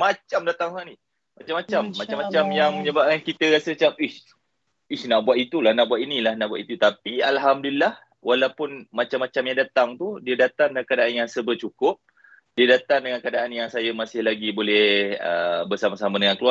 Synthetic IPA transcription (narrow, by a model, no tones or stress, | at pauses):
mat͡ʃamdat̪aŋani | mat͡ʃamat͡ʃamːat͡ʃamːat͡ʃamjaŋməɲəbap̚kankit̪əɾasəat͡ʃamis | isnaʔbwat̪it̪ulahnaʔbuat̪inilahnaʔbuat̪it̪ut̪apialɦamdulːah | walawpʊnmat͡ʃamːat͡ʃamjaŋdat̪aŋt̪udiədat̪aŋdəŋankadaʔanjaŋsəbət͡ʃukʊp̚ | diədat̪aŋdəŋankadaʔanjaŋsajamasɪhlaɡibolɛə̰bərsamasamadəŋankəlua